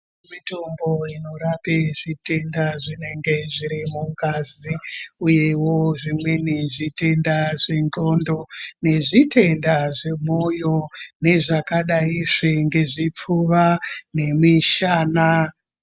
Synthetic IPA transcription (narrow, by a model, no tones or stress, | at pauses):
mitomboino̞ɾapeʐite̞ndaʐine̞ŋɡe̞ʐiɾimuŋɡaziuje̞woʐimwe̞niʐite̞ndaʐinɡo̞ndo̞ne̞ʐitʰe̞ndaʐe̞mo̞jo̞ne̞ʐakaɗaiʂiŋɡe̞ʐip͡fuʋane̞miʃaːna